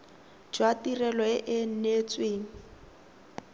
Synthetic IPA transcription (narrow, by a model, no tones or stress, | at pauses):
d͡ʒwatirɛlɔɪʔɪn̩net͡sʼweːŋ̩